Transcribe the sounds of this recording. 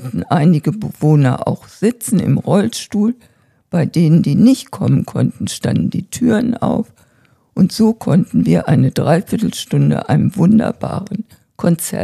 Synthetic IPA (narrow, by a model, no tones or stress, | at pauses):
tn̩ʔaɪnɪɡəbəvoːnɐʔa̰ʊxz̥ɪt͡sn̩ɪ̰mʁɔlʃtuːl | b̥aɪdeːnəndiːnɪçtkʰɔmənkʰɔ̰ntn̩ʃta̰ndn̩diːtʰyːʁəna̰ʊf | ʔʊntz̥oːkʰɔntn̩viːɐʔaɪnədʁaɪfɪɐtl̩ʃtʊndə̰ʔa̰ɪnəmvʊndɐ̰ba̰ːʁən | kʰɔnt͡sɛɐ